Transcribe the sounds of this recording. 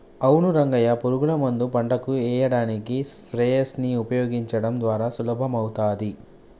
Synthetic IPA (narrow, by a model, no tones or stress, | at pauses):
ɐwnuɾɐŋɡɐjɐpoɾuɡulɐmɐnd̪upɐɳɖɐkuɛːjɐɽaːnikispɾɛːjɐsniupɐjoːɡiɲt͡ʃɐɽɐmd̪ʋaːɾaːsulɐbʱɐmɐwut̪aːd̪i